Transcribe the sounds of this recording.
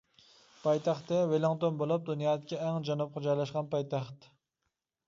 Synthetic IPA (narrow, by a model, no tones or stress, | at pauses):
pʰɑjt̪ʰæχt̪ːɛwelɔŋt̪onbolˠup̚d̪unjɑːd̪ɪkʲɛːŋd͡ʒɑnup̚qʰɑd͡ʒɑjlˠɑʃqɑnpɑjt̪ʰæχt̪